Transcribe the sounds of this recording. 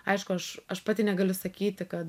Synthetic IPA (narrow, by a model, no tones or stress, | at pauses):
ɐɪʃkʊɐʃɐʃpɑːt̪ʲiːnʲɛɡɐlʲʊsɐkʲiːt̪ʲɪkɐt̪